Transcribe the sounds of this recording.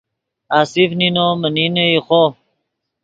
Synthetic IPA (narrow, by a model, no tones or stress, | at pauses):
aːsifninomənineixo